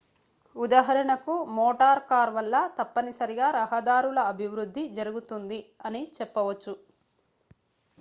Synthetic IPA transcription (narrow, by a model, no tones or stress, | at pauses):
ud̪aːɦɐɾɐɳɐkumɔːʈaːɾkaːɾʋɐlːɐt̪ɐpːɐnisɐɾiɡaːɾɐɦɐd̪aːɾulɐːbʱiʋɾud̪ʱːid͡ʒɐɾuɡut̪und̪iɐnit͡ʃɛpːɐʋɐt͡ʃːu